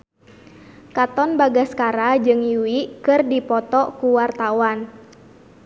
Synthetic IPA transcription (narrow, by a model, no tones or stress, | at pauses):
kat̪ɔnbaɡaskaɾad͡ʒɨŋjuiʔkɨrdipɔt̪ɔkuwart̪awan